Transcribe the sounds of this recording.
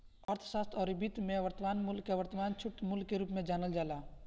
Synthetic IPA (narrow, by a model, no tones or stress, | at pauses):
əɾt̪ʰsaːst̪ʰɔːɾɪbit̪mẽʋəɾt̪əmaːnmʊlkːeʋəɾt̪əmaːnt͡ʃʰʊʈmʊlkːeɾuːpmẽd͡ʒaːnəld͡ʒaːlaː